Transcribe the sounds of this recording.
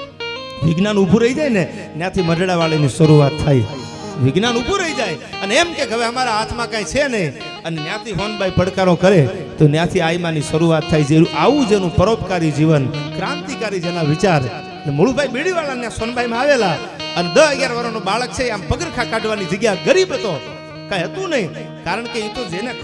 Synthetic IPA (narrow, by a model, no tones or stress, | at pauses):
ʋɪɡnanubʱuɾəid͡ʒajne | njãt̪ʰimədʱɽaʋaɭeniʃəɾuʋat̪ʰːai | ʋɪɡnanubʱuɾəid͡ʒajəneemkeɡʱəʋeəmaɾaɦat̪mãkãĩt͡ʃʰenəĩ | ənenjãt̪ʰiɦonbʱaipəɽkaɾõkəɾe | t̪onjãt̪ʰiaimãniʃəɾuʋat̪ʰːajd͡ʒeuʔaʋũd͡ʒenũpəɾopkaɾid͡ʒiʋənkɾãnt̪ikaɾid͡ʒenaʋɪt͡ʃaɾ | lemoɽubʱaibiɽiʋalanjãsonbʱaimãaʋela | əned̪əɦəɡjaɾʋaɾonobaɭək̚t͡ʃʰeampəɡəɾkʰãkaɖʋanid͡ʒəɡjaɡəɾibət̪o | kãĩɦət̪ũnəɦĩ | kaɾəɳkeit̪od͡ʒene